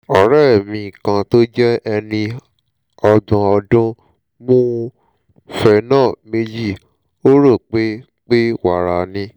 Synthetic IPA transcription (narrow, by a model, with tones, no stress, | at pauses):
ɔ˨ɾɛ˦˨mĩ˧˨kã˧to˦d͡ʒɛ˦ɛ˧nĩ˧ | ɔ˧dã˧ɔ˧dũ˦ | mũː˦˧ | fɛ˧nãː˦˨me˧d͡ʒi˦˨ | o˦ɾo˦˨k͡pe˦ | k͡pe˦wa˨ɾa˨nĩ˧